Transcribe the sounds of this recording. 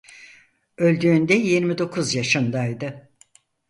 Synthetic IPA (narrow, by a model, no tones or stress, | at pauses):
ø̞lʲd̪yːnd̪ɛjiɾmid̪o̞kʰuzjaʃɯnd̪ajd̪ɯ